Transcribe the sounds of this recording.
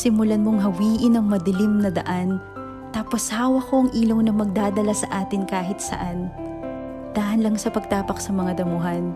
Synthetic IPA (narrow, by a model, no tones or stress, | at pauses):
sɪmʊlɐnmoŋɦɐwiːʔɪnɐŋmɐd̪ɪlɪmnɐd̪ɐ̰ʔan | t̪aːpo̞shaːwɐko̞ɐŋʔiːlo̞ŋnɐŋmɐɡ̚d̪aːd̪ɐlasɐʔaːt̪ɪnkaːɦɪt̪̚sɐ̰ʔan | d̪̥aʔɐnlɐŋsɐpɐɡ̚t̪aːpɐksɐmɐŋad̪ɐmuɦɐn